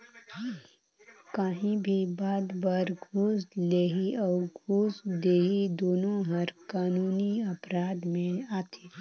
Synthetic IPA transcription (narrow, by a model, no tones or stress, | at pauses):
kaːɦĩbʱibaːd̪baːɾɡʱuːsleːɦiɔːɾɡʱuːsd̪eːɦid̪oːnõɦɐɾkaːnuːniɐpɾaːd̪mẽaːt̪ʰiː